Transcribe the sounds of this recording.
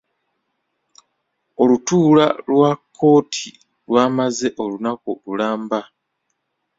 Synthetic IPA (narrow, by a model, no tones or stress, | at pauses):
o̞lutuːla̰lwakʰːo̞ːtʰi | lwaːmaze̞ʔo̞lunakululaːmba